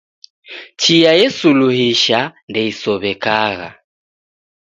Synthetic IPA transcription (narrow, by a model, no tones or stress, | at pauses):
t͡ʃijajɛsuluhiʃandɛisɔβɛkaɣa̰